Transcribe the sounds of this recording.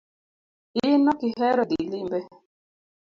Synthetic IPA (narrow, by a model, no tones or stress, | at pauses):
inɔkɪɦɛɾɔdilimbɛ